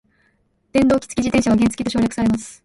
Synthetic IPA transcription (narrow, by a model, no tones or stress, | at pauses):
d̪̥ẽ̞nd̪o̞ːkʲi̥t͡sɨ̥id͡ʑit̪ẽ̞ɕaβaɡʲent͡sɨ̥kʲit̪o̞ɕo̞ːɾjakɯ̟̥saɾe̞masɨ̥